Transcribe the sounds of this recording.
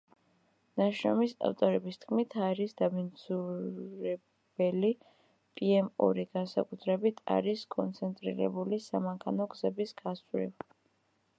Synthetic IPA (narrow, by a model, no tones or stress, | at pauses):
naʃɾɔmisa̰ft̪ʼɔɾɛbist̪ʰkʰmit̪ʰaɾisd̪amind̪zuɾɛ | bɛli | pʼiɛmɔ̰ɾiɡ̥ansakʼut̪ʰɾɛbit̪ʰa̰ɾiskʼɔnt̪sʰɛnt̪ʼɾḭɾɛ̰bulisamaŋkʰanɔɡzɛbisɡ̥asɾḭl